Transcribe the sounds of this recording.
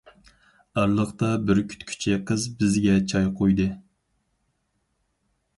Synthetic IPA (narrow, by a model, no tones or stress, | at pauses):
ɑɾlˠəχt̪ɑbɪɾkʲʰy̥t̪kʲʰy̥t͡ʃʰɛqʰəzbɪzɡʲɛt͡ʃʰɑjqʰojd̪ɨ